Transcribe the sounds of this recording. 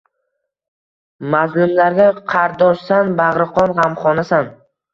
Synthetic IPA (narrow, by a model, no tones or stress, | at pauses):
mazlʊmlaɾɡʲaqʰɑɾd̪ɒʃsanbaʁɾɨqʰɒnʁamχɒnasan